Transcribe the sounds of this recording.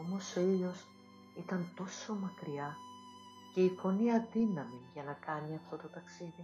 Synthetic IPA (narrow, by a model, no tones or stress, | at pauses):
omo̞so̞ilo̞s | it̪ɐnt̪o̞so̞mɐkɾiɐ | ce̞ifo̞niɐðinɐmiʝɐnɐkɐniɐft̪o̞t̪o̞t̪ɐksiði